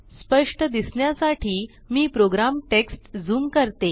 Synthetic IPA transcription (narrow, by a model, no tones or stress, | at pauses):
spəʂʈəd̪isɳjasaʈʰiː | miːpɾoɡɾamʈeksʈd͡zuːmkəɾt̪e